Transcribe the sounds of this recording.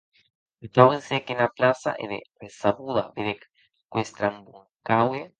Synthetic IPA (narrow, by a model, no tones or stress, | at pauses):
et̪awesekenaplasa̰ʔḛðḛresaβuða̰beðek | kwest̪ɾambuŋ | kawe